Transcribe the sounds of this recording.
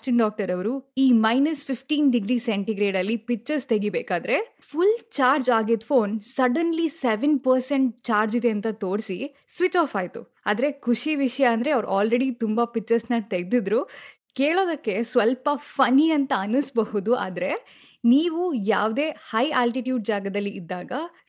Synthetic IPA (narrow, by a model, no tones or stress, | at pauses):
sʈinɖaːk̚ʈɐɾɐʋɾuiːmɐjnɐspʰipʈiːnɖiɡɾiːseɳʈiɡɾeːɖɐlːipit͡ʃːɐɾst̪eɡibeːkaːd̪ɐɾe̞ | pʰult͡ʃaːɾd͡ʒaːɡid̪fʰo̞ːnsɐɖɐnliseʋenpɐɾseɳʈ̚t͡ʃaːɾd͡ʒid̪eɐnt̪ɐt̪oːɽsi | sʋit͡ʃaːfaːjt̪ṵ | aːd̪ɐɾe̞kʰuʂiʋiʂɐjɐːnd̪ɐɾe̞ɐʋɐɾuʔaːlɾeɽit̪umbɐpit͡ʃːɐɾsnɐt̪eɡd̪id̪ɾu | keːɭoːd̪ɐkːe̞sʋɐlpɐpʰɐniɐnt̪ɐɐnusbɐɦud̪ua̰ːd̪ɐɾe̞ | niːʋuja̰ːʋd̪e̞ːhɐjaːlʈiʈjuːɖ̚d͡ʒaːɡɐd̪ɐlːiʔːd̪ːaːɡɐ